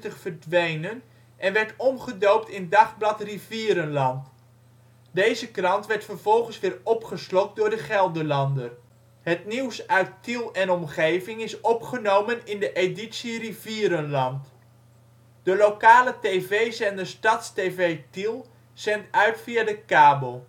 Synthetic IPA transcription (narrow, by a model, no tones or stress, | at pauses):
təχfərdʋejnən | ʔɛnʋɛɹtɔmχədowp̚tɪndɑχblɑtriviːɾənlɑnt | dejzəkrɑntʋɛɹtfərv̥ɔlˠχənsʋɪːɹɔpχəslɔk̚dʊːɹdəχɛlˠdəɹlɑndər | ɦətniwsœɥtilˠɛnɔmχejvɪŋɪsɔpχənowmənɪndəʔeditsiriviːɾənlɑnt | d̥əlokaːlətejvejzɛndəɹstɑtstevejtilˠ | sɛntœɥtfiadəkaːbəlˠ